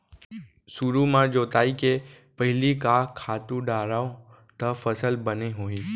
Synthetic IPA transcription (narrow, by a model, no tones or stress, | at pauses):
suɾumãd͡ʒot̪aike | pəɦɪlikakʰːat̪ũɖaɾao | t̪əfəsəlbəneɦoi